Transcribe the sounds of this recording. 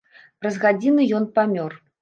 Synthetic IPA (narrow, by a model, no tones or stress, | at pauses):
rɐzɣad͡zʲinɨjɔnpamʲɔr